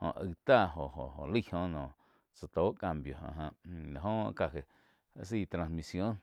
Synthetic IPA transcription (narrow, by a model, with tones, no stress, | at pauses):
hõ̰˧˨ʔə̰˧˨t̪aː˦˧˨ɦo˨ɦo˨o̰˨lə˦˨hõ˧nɔ̃ː˨ | t͡sa˨t̪oː˨˦ʔka˧mbjo˨hã̰˧˨ɦã˧ʔla˨ɦõ˦ka˧˨ɦe˨˦ | si˦˧˨t̪ɾã˧nsmi˧sjo˦n